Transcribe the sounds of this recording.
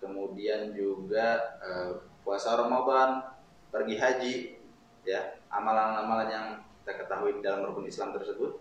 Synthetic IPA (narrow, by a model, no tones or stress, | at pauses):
kəmudiand͡ʒuɡaəpuasaoɾaŋmoban | pərɡiɦad͡ʒi | jaʔa̰malannamalanjaŋki̥t̪akət̪aɦuididalaməɾukunislamt̪ərsəbʊt̪̚